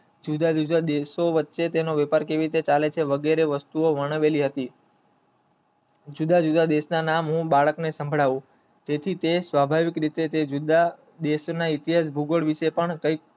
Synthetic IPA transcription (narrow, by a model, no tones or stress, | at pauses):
d͡ʒud̪ad͡ʒud͡ʒad̪esoʋətːʃet̪enoʋɛpaɾkeʋiɾit̪et͡ʃalet͡ʃʰeʋəɡeɾeʋəst̪uoʋəɳ̃əʋeliɦət̪i | d͡ʒud̪ad͡ʒud̪ad̪esnanamɦũbaɭəknesə̃mbʱɭaʋũ | t̪et̪ʰit̪esʋabʱaʋikɾit̪et̪ed͡ʒud̪a | d̪eʃnait̪iɦas̬bʱuɡoɭʋiʃepəɳkəik̚